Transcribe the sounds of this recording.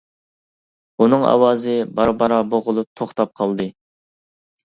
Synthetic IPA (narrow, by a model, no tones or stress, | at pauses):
unɨŋɑ̰wɑːzɨbɑɾbɑɾɑboʁʊlˠup̚t̪ʰoχt̪ɑp̚qʰɑlˠd̪ɨ